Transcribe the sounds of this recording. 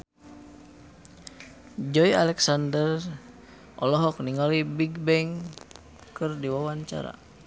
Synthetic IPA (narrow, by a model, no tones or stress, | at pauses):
d͡ʒɔjalɛksandər | ʔɔ̰lɔɦɔk̚niŋalibiɡbɛŋ | kɨrdiwawaɲt͡ʃa̰ɾa̰